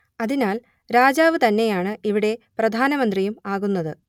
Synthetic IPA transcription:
ɐðinaːl | ɾaːd͡ʑaːʋɨt̪ɐnːe̞jaːɳɨiʋiɽe̞prɐd̪ʱaːnɐmɐnd̪rijumaːɣunːɐðɨ

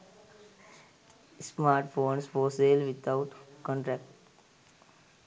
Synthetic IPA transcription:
smaːɾʈfoːnsfoːseːlʋɪt̪ʰaʊʈkɔ̃ɳʈɾɛːk̚ʈ

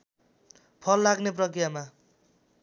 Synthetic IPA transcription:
pʰʌlːaɡneprʌkrijama

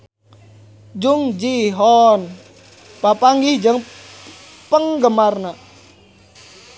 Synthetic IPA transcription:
d͡ʒuŋd͡ʒiɦɔn | papaŋɡihd͡ʒəŋ | pəŋɡəmarna

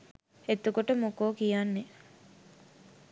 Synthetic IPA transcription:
et̪ukoʈəmukoːkijanːe

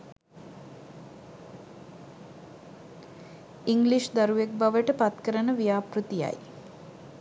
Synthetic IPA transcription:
iŋɡliʃd̪aɾuʋek̚baʋəʈəpat̪kəɾənəʋijaːprut̪ija̰j

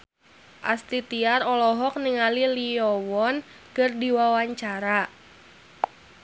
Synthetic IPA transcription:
ʔa̰st̪it̪iarɔlɔɦɔk̚niŋaliliɔwɔn | kɨrdiwawaɲt͡ʃaɾa

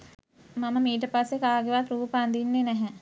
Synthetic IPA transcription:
maməmiːʈ̬əpasːekaːɡeʋat̪ɾuːpəand̪inːenɛɦɛ

